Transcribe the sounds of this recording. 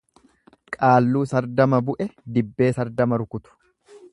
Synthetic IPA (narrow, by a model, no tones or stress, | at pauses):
kʼaːlːuːsɐɾd̪ɐmɐbʊʔɛd̪ɪbːe̞ːsɐɾd̪ɐmɐɾʊkʊt̪ʊ̥